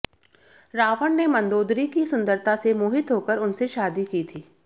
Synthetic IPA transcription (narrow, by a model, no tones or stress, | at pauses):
ɾaːʋəɳnemɐ̃nd̪oːd̪ɾikisʊ̃nd̪əɾt̪ʰasemuːɦɪt̪ɦoːkəɾʊnseʃaːd̪ikiːt̪ʰiː